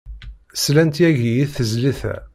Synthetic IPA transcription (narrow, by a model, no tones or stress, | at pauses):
slænt̪jæʝijiðθəzliθæ̰